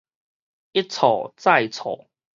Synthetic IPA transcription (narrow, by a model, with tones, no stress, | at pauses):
i˦˥t͡sʰɔ̰˨˩t͡sa˥˧˩jt͡sʰɔ̰˨˩˦